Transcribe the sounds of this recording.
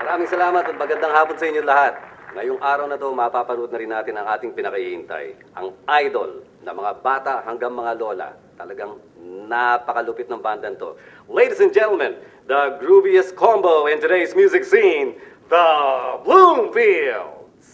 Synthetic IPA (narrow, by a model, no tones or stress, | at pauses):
mɐɾaːmɪŋsɐlaːmɐt̪ɐt̪̚mɐɡɐnd̪aŋhaːponsɐʔɪɲːolɐhat̪̚ŋɐjoŋʔaːɾɐwnɐt̪o̞mɐpapɐnud̪̚nɐɾɪnːaːt̪ɪnɐŋʔaːt̪ɪŋpɪnɐkɐiɪnt̪a̰jʔɐ̰ŋʔajd̪o̞̰lnɐmɐŋabaːt̪ɐʔhɐŋɡaŋmɐŋalo̞lɐ̰ | t̪ɐlɐɡaŋ | napɐkɐlʊpɪt̪nɐŋband̪ɐnt̪o̞̰ | lejd̪isɛ̃nd͡ʒɛnt̪l̩mɛ̃n | d̪ɐɡɹubiɛskʰombowɛ̃nt̪ʊd̪ejsmjuːzɪksin | ðɐblumfild | s